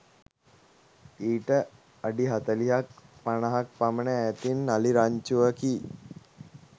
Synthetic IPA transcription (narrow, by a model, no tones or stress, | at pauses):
iːʈə | aɖiɦat̪əliɦakpanaɦak̚pamənəæt̪inːaliɾaɲt͡ʃuʋəki